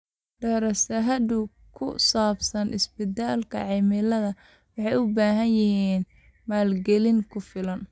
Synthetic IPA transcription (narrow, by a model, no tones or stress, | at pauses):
ɖɛːɾɐsɐɦɐd̪ʊ | kʰʊ̰saːbsɐnʔɪ̰sbɪd̪aːlkʰɐ̰ʕɑːmɪlɐðɐ | wɑħɑjʊbaːɦɐnjɪɦiːn | maːlɡɛlɪŋkʰʊfɪlɐn